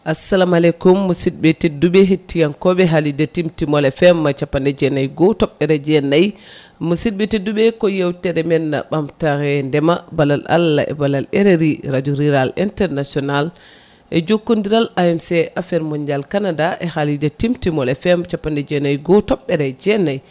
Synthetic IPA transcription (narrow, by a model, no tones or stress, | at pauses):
ʔasːalamalɛkumːusid̚betidubɛɦetːijankɔɓɛɦalidɛtimtimɔlɛfɛmːat͡ʃapːandɛd͡ʒɛnajɡɔtɔɓːɛɾɛd͡ʒɛnaj | musit̚betidubɛkɔjawtɛɗɛmɛnːa̰ɓamtaɾɛndɛmabalala̰lːa̰ʔɛ̰balalɛɾeɾiɾad͡ʒuɾiɾalintɛɾnasɔnal | ʔɛd͡ʒokːundiɾalaɛmsɛʔafɛɾmɔɲd͡ʒalkanadaʔɛhalidɛtimtimɔlɛfɛmt͡ʃapːandɛd͡ʒɛnajɡɔtɔɓːɛɾɛd͡ʒɛnaj